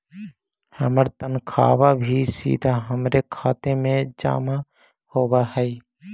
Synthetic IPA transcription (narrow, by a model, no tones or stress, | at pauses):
həməɾt̪ənkʰa̰ːwabʱisḭːd̪ʱaɦəmɾekʰaːt̪emẽd͡ʒa̰ːma | hoːbahɛi